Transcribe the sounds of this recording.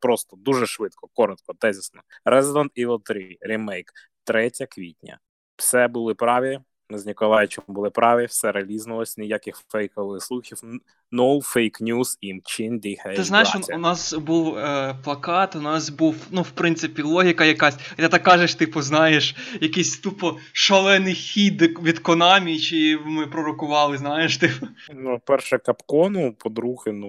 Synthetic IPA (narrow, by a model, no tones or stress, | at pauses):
pɾɔst̪ɔd̪uʒɛʃʋɪt̪kɔkɔɾɔt̪kɔd̪ɛzʲɪsnɔɾʔɛzɪd̪ɔnt̪iʋɔt̪ɾɪɾʲimɛjk | t̪ɾɛtʲɐkʋʲḭtʲnʲɐ̰ | w̥sɛbʊlˠɪpɾɑʋʲi | nɪznʲikɔlˠɑjt͡ʃɔmbʊlˠɪpɾʔɑʋʲiwsɛɾɐlʲiznʊlˠɔsʲnʲɪjakɪxfɛjkɔʋlˠɪxslˠuxʲiw | nɔwfɛjknʲuz̥imt͡ʃɪnd̪ʲihɛt̪ɪznajɪʃʊnɑsbuwplˠɐkɑt̪ʊnɑsbuwnuwpɾɪnt̪sɪpʲilˠɔɦʲikɐjɐkɑsʲt̪ɛt̪ɑkːɑʒeʃt̪ɪpʊznɑjeʃjɐkɪjsʲt̪upɔ | ʃɐlˠɛnɪjxʲid̪ʋʲid̪kɔnɑmʲit͡ʃɪmɪpɾɔɾɔkʊʋɑlˠɪznɑjeʃt̪ɪpʊnupɛrʃɛkɐpkɔnʊpɔd̪ɾuɣɪnu